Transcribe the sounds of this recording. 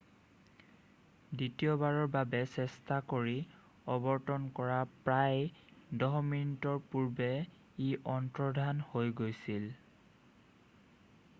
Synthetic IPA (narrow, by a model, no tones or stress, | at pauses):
ditijɔbaɹɔɹbabɛsɛstakoɹi | ɔbɔɹtɔnkɔɹapɹajdɔɦɔminitɔɹpuɹbɛ | iʔɔntɹɔdʱanhojɡojsil